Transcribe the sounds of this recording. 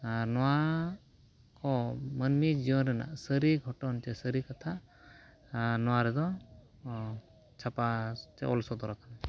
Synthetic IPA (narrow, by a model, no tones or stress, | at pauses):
anɔwa | kɔmənmid͡ʒiɔnɾɛna̰ʔsəɾiɡʱɔʈɔnt͡ʃɛsəɾikat̪ʰa | nɔwaɾɛd̪ɔ | t͡ʃʰapat͡ʃɛ̰ʔɔ̰lsɔd̪ɔɾakʰana